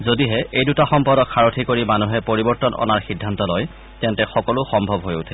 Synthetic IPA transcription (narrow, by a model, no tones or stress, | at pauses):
zodiɦɛʔejdutaxɔmpɔɾdɔkxaɹotʰikoɹimanuɦɛpoɹibɔɹtɔnɔ̰naɹxidʱːantɔlɔj | tɛ̃ntɛxɔkɔlʊxɔmbʱɔbɦojʊtʰɛ